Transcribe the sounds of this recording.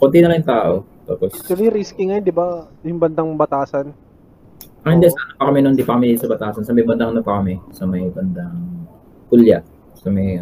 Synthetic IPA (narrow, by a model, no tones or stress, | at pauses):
kont̪inɐlɐjŋt̪aːʔo̞t̪a̰ːposkɐɾiɾiskɪŋɐjond̪ɪbajʊŋbɐnd̪aŋbɐt̪aːsɐn | ɐŋhɪnd̪ɛsɐʔɐnopɐkɐmɛnond̪ipɐkɐmɪsɐbɐt̪aːsɐnsɐmɐjbɐnd̪aŋɐnopɐkɐmɛsɐmɐjbɐnd̪ɐŋ | k̪ulja | sɐmɐj